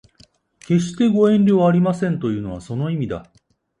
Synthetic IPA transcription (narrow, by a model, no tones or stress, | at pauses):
ke̞ɕ̬i̥t̪e̞ɡo̞ẽ̞nɾʲoːaɾʲimasẽ̞nt̪o̞jɯ̟ːno̞β̞aso̞no̞imʲid̪a̰